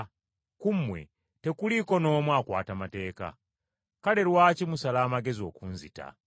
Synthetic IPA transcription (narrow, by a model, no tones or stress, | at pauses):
kumːwe̞̰ | te̞kuliko̞no̞ːmwaːkwa̰ːtamate̞ːka̰ | kale̞ɾwaːcimusalaːmaɡe̞zio̞̰kunzita̰